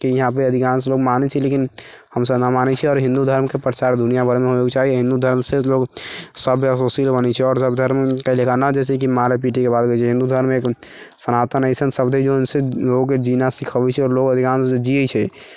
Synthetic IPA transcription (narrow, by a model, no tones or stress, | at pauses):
kijəɦãp̬eəd̪ʱikans̬eloɡmanɛt͡ʃʰɛlekin | həmsəbnamanɛt͡ʃʰɛɔːɾɦĩnd̪ud̪ʱəɾmkepɾət͡ʃaɾd̪unijabʱəɾmeɦoekt͡ʃaɦiɦĩnd̪ud̪ʱəɾmseloɡsəbʱəsosilbənɛt͡ʃʰɛɔːɾsəbd̪ʱəɾmkəlekanad͡ʒɛs̬ek̬imãɾep̬iʈikebad̪ɡət͡ʃʰɛɦĩnd̪ud̪ʱəɾmek | sənat̪ənəɪsənsəbd̪ʱed͡ʒonseloɡked͡ʒinasikʰəbɛt͡ʃʰɛɔːɾloɡəd̪ʱikansẽd͡ʒiət͡ʃʰɛ